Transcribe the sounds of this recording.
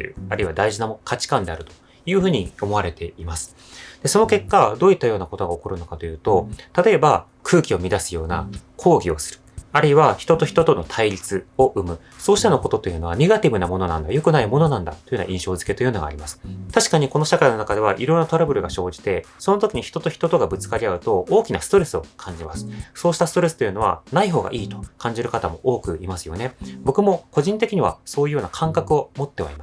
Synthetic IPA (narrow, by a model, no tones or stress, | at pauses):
t̪jɯ̰ːaɾɯ̟iβad̪aiʑinamookʰat͡ɕi̥kãnd̪e̞aɾɯ̟t̪o̞̥ | jɯ̟ːɸɯ̟ːɲ̟io̞mo̞aɾe̞t̪e̞imasɨ̥ | d̪̥e̞so̞no̞ke̞kːad̪o̞ːit̪ːajo̞ːnako̞t̪o̞ɡaoko̞ɾɯ̟no̞kat̪o̞jɯ̟ːt̪o̞t̪at̪o̞e̞ba | kʰɯ̟ːkʲio̞mʲid̪asɨjo̞ːna̰kʰo̞ːɡʲio̞sɨ̥ɾɯ̟̥aɾɯiβaçi̥t̪o̞t̪o̞çi̥t̪o̞t̪o̞no̞t̪ʰaiɾʲit͡sɨo̞ʔɯ̟mɯ̟ | so̞ːɕi̥t̪ano̞ko̞t̪o̞t̪ojɯ̟no̞βane̞ɡat̪ʲibɯ̟namo̞no̞nãnd̪ajo̞kɯ̟naimo̞no̞nãnd̪at̪ːo̞jɯ̟na̰ʔĩɕo̞ːzɨ̥ke̞t̪ojɯnoɡa̰ːɾʲimasɨ̥t̪aɕi̥kaɲ̟iko̞no̞ɕakaino̞nakad̪e̞βaʔiɾo̞nːat̪oɾabɯ̟ɾɯ̟ɡaɕo̞ːd͡ʑi̥t̪e̞ | so̞no̞t̪okʲiɲ̟içi̥t̪o̞t̪o̞çi̥t̪o̞t̪o̞ɡabɯ̟t͡sɨ̥kaɾʲiaɯ̟t̪o̞oːkʲinasɨ̥t̪o̞ɾe̞sɨo̞kʰãɲ̟d͡ʑimasɨ̥so̞ːɕi̥t̪asɨ̥t̪o̞ɾe̞sɨ̥t̪o̞jɯ̟no̞βa̰naiɦo̞ːɡa̰ʔiːt̪o̞̥kʰãɲ̟d͡ʑiɾɯ̟kat̪amo̞̰ʔoːkɯ̟imasɨjo̞̰ne̞bo̞kɯ̟mo̞ko̞ʑĩnt̪e̞kʲiɲ̟iβa̰so̞ːjiɯ̟jo̞ːnakʰãŋkakɯ̟o̞mo̞t̪ːe̞βa̰ima